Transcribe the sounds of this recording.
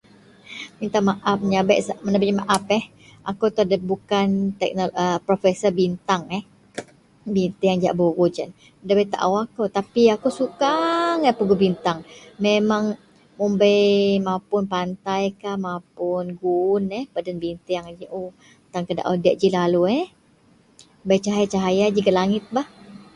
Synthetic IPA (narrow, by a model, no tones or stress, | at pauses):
bint̪aŋmaʔap̚mɲabɛʔsaməɲabeʔmaʔapɛh | ʔa̰kowt̪udəbukant̪ɛk̚noəpɾofɛsəbint̪aŋɛh | bint̪ɪjaŋd͡ʒa̰ʔboɡud͡ʒan | dabɛʔt̪a̰ʔawakowt̪apiakowsukaŋɛpuɡubint̪aŋmemaŋ | mumbajmapʊnpant̪ajkahmapʊnɡunɛhbadanbint̪ɪaŋd͡ʒiʔo | t̪aŋkəda̰ʔa̰wdiaʔ̚d͡ʒilaluɛ | bajt͡ʃaɦajat͡ʃaɦajad͡ʒiɡaʔlaŋɪt̪̚bah